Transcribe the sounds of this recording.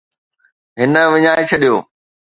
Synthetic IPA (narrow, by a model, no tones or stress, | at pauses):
ɦɪnə̆ʋɪɲaːet͡ɕʰɐɗijo̰ː